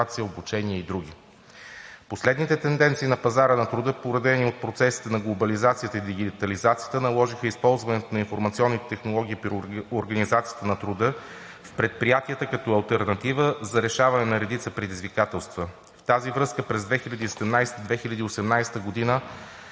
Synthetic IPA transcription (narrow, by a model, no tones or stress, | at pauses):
at̪sijəobut͡ʃɛniəid̪ɾuɡ̟i | poslɛd̪nit̪ɛt̪ɛnd̪ɛnt̪siːnɐpɐzaɾənɐt̪ɾʊd̪ɤpoɾɐd̪ɛniot̪̚pɾot̪sɛsi̥t̪ɛnɐɡlˠobɐlizat̪sijət̪əid̪iɡ̟it̪ɐlizat̪sijə̥t̪ənɐlˠɔʒixəispɔlˠzvɐnɛt̪onɐinfoɾmɐt̪siɔnːit̪ɛt̪ɛxnolˠɔɡ̟iːpɾioɾɡənizat̪sijə̥t̪ənɐt̪ɾud̪ɤ | fpɾɛt̪̚pɾijat̪iət̪əkɐt̪ɔɐlˠt̪ɛɾnɐt̪ivəzɐɾɛʃavɐnɛnɐɾɛd̪it̪səpɾɛd̪izvikat̪ɛlˠst̪və | ft̪azivɾɤskəpɾɛzd̪vɛxilʲɐd̪iːsɛd̪ɛmnajst̪əd̪vɛxilʲɐd̪iosɛmnajsɛ̥t̪əɡod̪inə